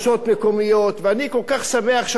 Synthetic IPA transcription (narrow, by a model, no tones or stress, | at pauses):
sot̪mekomijott̪veaniko̞lkaχsameaχʃ